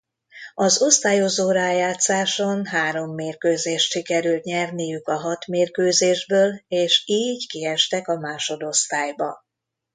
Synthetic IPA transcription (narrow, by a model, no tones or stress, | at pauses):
ɒzo̞st̪aːjo̞zoːɾaːjaːt̪saːʃonɦaːɾo̞mːeːrkøːzeːʃt̪ʃikɛɾylt̪ɲɛrnijykɒɦɒt̪meːrkøːzeːʒbøːleːʃiːɟkiɛʃt̪ɛkɒmaːʃo̞d̪o̞st̪aːjbɒ